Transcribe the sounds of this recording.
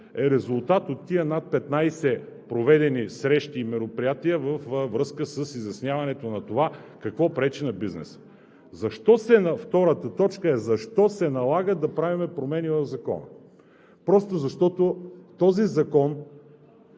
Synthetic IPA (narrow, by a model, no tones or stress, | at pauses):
ɛɾɛzʊlˠt̪at̪ot̪ːiənat̪̚pɛt̪najsɛ | pɾovɛd̪ɛnisɾɛʃt̪iːmɛɾopɾijat̪iəvəfvɾɤskəsəsizjɐsnʲjavɐnɛt̪onɐt̪ova | kɐkvɔpɾɛt͡ʃinɐbiznɛ̰sə̥ | zɐʃt̪ɔsɛnɐft̪ɔɾət̪ət̪ɔt͡ʃkəɛzɐʃt̪ɔsɛnɐlˠaɡəd̪ɐpɾavimɛpɾomɛnivəvzɐkɔ̰nɐ̰ | pɾɔst̪ʊzɐʃt̪ɔt̪ot̪ɔzizɐkɔn